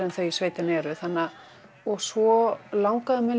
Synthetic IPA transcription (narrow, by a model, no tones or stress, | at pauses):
ɾɛnθœɥisveːjt̪ɪnɛɾɪθanːa | ɔɣsvɔlawŋkaðʏmɛ